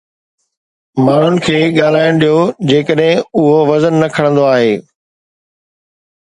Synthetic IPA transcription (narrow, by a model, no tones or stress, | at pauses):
maːɳ̤ʊnɪ̆kʰeːɠaːl̤aːɪɽ̃ɗijod͡ʑeːkəɗɦɪ̃ʊɦoʋɐzənːɐkʰɐɽ̃ə̃nd̪oaːɦeː